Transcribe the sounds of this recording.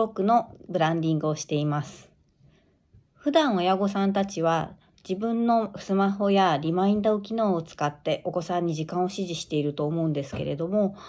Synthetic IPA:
okɯ̟no̞bɯ̟ɾãɲd̪ʲĩŋɡɯ̟o̞ɕi̥t̪e̞imasɨ̥ | ɸɯ̟d̪ãɰ̃o̞jaɡo̞sãnt̪at͡ɕiβa | d͡ʑibɯ̟̃nːo̞sɨmaɦo̞jaɾʲimaĩnd̪oːk̬ʲino̞ːt͡sɨ̥kat̪ːe̞ʔo̞ko̞sãɲ̟ːiʑikãɰ̃o̞ɕiʑiɕi̥t̪e̞iɾɯ̟t̪o̞ːmo̞ɯ̟̃nd̪e̞sɨ̥ke̞̰ɾe̞d̪o̞mo̞

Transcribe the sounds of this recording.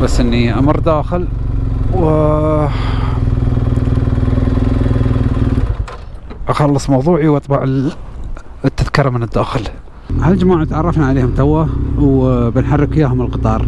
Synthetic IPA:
basːʔɪnːiʔamɑɾˤd̪aːxɪlw | ʔɑxɑlːɨsˤmɑwðˤuːʕiwʔɑt̪ˤbɑʕ | t̪ːaðkiːɾˤmənəd̪ːaːxɪl | hald͡ʒamaːʕat̪ʕɑrˤːɑfnaʕaleːhʊmt̪awawbɪnħɑrˤːɪkɪjːaːɦʊməlqɨt̪ˤɑːɾˤ

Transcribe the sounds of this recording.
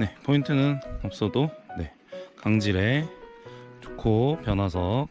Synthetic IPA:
ne̞pʰointʰɯnɯnʌp̚s͈ʌdone̞ | kaŋd͡ʑiɾe̞ | t͡ɕu̥kʰopjʌnwasʰʌ

